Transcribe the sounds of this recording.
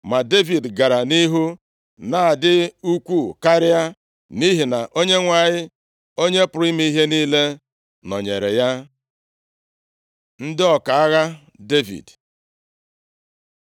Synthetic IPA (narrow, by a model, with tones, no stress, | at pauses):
ma˨de˦vi˨dɡa˨ɾa˨ni˦ɦu˦ | na˨a˨dɪ˦u˦kʷu˦˨ka˦ɾɪ˦a˦ | ni˦ɦi˨na˨ʔo˦ɲe˦ŋʷa˨ɲɪ˦ | o˦ɲe˦pʊ˨ɾi˦m˦i˦i˦ɦe˦niː˦le˦ | nɔ̰˨ɲe˨ɾḛ˨ja˦ | n̩˦dɪ˦ɔ˨ka˨a˦ɣa˦ | de˦vḭ˨d